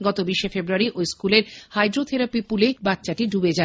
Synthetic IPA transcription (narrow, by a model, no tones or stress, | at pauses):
ɡɔt̪obiʃefebɾuaɾiʔojskuleɾhajd̪ɾot̪ʰeɾapipulek̚bat̪ːɕaʈiɖubed͡ʑa